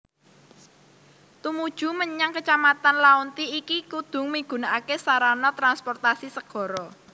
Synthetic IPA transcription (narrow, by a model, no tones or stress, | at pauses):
t̪umud̥ʒ̥ṳməɲaŋkət͡ʃamat̪anlaunt̪iːkikud̪̥ʊ̤ŋmiɡ̥ṳnaakesaɾanɔt̪ɾanspɔrt̪asisəɡ̥ɔ̤ɾɔ